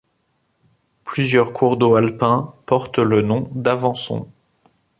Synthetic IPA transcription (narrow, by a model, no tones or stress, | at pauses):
plyzjœʁkʰuʁd̪oalpɛ̃pɔʁt̪lənɔ̃d̪avɑ̃sɔ̰̃